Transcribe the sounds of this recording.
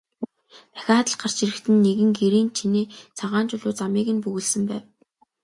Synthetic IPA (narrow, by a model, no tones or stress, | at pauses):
pæ̥xʲaːχt̪ə̆ɮɢar̥t͡ɕiɾɘ̆kt̪ɘ̆nːeɣɘ̆ŋɡeɾiːnt͡ɕʰiniːt͡sʰaʁaːnt͡ɕʊɮʊːt͡samiːɣɘ̆npɵɣɘ̆ɮsɘ̆mpæːw